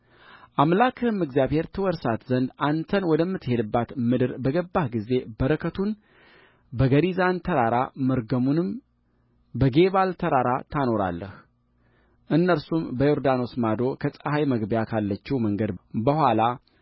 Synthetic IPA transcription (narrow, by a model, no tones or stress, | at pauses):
ʔamlakʰɨhɨmːɨɡzjaβhe̞ɾt̪ʰɨwɔɾsat̪zənd̪ant̪ʰənwɔd̪əmːɨt̪ːhe̞d̪ɨbːat̪mɨd̪ɨɾbəɡəbːahɡize̞bəɾəkʰət̪ʰun | bəɡəɾizant̪ʰəɾaɾamɨɾɡəmunɨm | bəɡe̞βalt̪ʰəɾaɾat̪ʰano̞ɾa̰lːə̰h | ʔɨnːəɾsumbəjoɾd̪ano̞smad̪o̞kʰəsʼəhajməɡbjakʰalːət͡ʃːɛməŋɡəd̪bəhʷwala